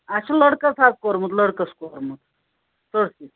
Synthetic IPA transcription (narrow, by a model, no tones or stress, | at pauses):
aɕaləɽkət͡sat̪̚kɔɾmət̪ləɽkəskɔɾmut̪ | t̪əɽsi